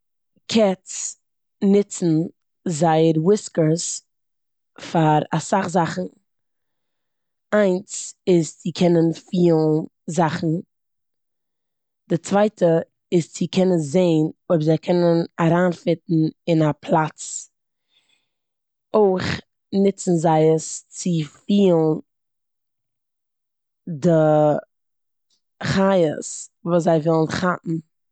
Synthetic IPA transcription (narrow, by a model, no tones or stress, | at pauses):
kʰɛts | nɪt͡sn̩ | zaɪəɾwɪskəɾs | faɾasaχzaχn̩ | aɪnsɪst͡sɪkʰɛnənfiːlˠnzaχn̩ | d̥ɪt͡svaɪtʰə | ɪst͡sɪkʰɛnəs̬zeɪnoɪbzaɪkʰɛnənaɾaːnfɪtn̩ɪnapʰlˠat͡s | oɪχ | nɪt͡sn̩zaɪəst͡sɪfiːlˠn | dɪ | χajə̰svuːs̬zaɪvɪlˠn̩χaʔn̩